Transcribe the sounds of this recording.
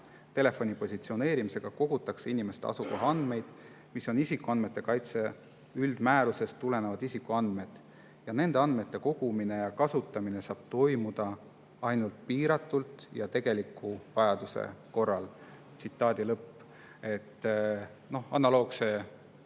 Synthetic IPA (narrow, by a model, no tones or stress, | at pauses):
t̪e̞le̞fo̞nʲipo̞sʲit̪sio̞ne̞ːɾimise̞ɡ̥ɑko̞ɡ̥ut̪ːˑɑkse̞inʲime̞st̪eɑ̰suko̞ɦɑɑnd̪̥me̞jd̪̥ | miso̞nisikːˑuɑnd̥̪me̞t̪ːe̞kɑjt̪se̞ | yld̪̥mæːɾuse̞st̪ːule̞nevɑd̪̥isikːuɑnd̪̥me̞d̪̥ | jɑne̞nd̪̥e̞ɑnd̪̥me̞t̪ːe̞ko̞ɡ̥umine̞jɑkɑsut̪ːˑɑmine̞sɑːb̥̚t̪o̞jmud̪̥ɑ | ɑjnult̪̚piːɾɑt̪ːˑult̪ˑjɑt̪e̞ɡ̥e̞likːˑuvɑjɑd̪̥usḛko̞rːɑl | t̪sit̪ːˑɑːd̪ʲilɤpːˑ | e̞t̪ː | no̞hɑnɑlo̞ːɡse̞